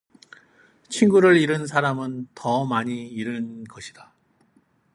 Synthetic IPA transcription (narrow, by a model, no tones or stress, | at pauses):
t͡ɕʰinɡuɾɯɾiɾɯns̬ʰaɾamɯntʌmaɲiːɾɯnɡʌɕʰid̥a